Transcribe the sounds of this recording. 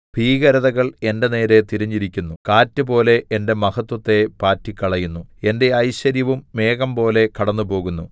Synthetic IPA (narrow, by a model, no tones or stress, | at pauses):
b̥ʱiːɣɐɾɐðɐɣɐɭe̞nde̞ne̞ːɾe̞t̪iɾɐɲːiɾikʲːunːukaːtːɨpo̞ːle̞ende̞mɐhɐt̪ːwɐt̪ːe̞paːtːikʲːɐɭɐjunːue̞nde̞ɐjɕɐɾjɐʋumːe̞ːɣɐmpo̞ːle̞kɐɽɐnːupo̞ːɣunːu